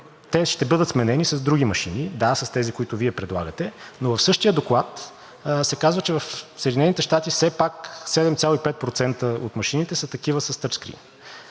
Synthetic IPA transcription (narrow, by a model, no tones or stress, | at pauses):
t̪ɛʃt̪ɛbɤd̪ət̪smɛnɛnisɐzd̪ɾuɡimɐʃinid̪asɐst̪ɛzikoit̪ʊviɛpɾɛd̪lˠa̰ɡət̪ɛnovɐfsɤʃt̪ijəd̪oklˠat̪ | sɛkazvət͡ʃɛvɐfsəɛd̪inɛnit̪ɛʃt̪at̪ifsɛpaksɛd̪ɛmt̪sʲjalˠoipɛt̪̚pɾot̪sɛnt̪əo̰t̪mɐʃinit̪ɛsət̪ɐk̟ivəsɐst̪əɾskɾḭm